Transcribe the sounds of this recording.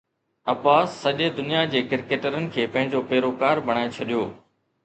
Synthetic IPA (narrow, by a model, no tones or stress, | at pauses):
ɐpaːsːɐʄed̪ʊnijad͡ʑeːkɪɾkeːʈəɾənɪ̆kʰeːpɐ̃ɦɪ̃ɲd͡ʑoːpeːɾoːkaːɾbʱɐɽ̃aːet͡ɕʰɐɗijoː